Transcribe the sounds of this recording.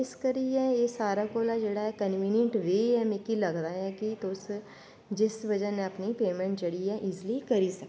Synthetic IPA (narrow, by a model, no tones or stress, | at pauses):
ɪskəɾiɛjesaːɾakoːlad͡ʒeːɽaɦɛkənʋiːnjə̃ɳʈʋeːɦɛmẽkiləɡd̪aɦɛkit̪ʊs | d͡ʒɪsʋəd͡ʒənẽəpnipeːmɛ̃ɳʈd͡ʒeɽiɦɛʔɪslikəɾisək